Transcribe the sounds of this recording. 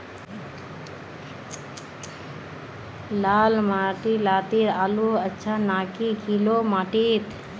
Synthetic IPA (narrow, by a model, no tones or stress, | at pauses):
laːlmaːʈiːlaːt̪iːɾaːluːətːʃʰaːnaːkikʰiːloːmaːʈiːt̪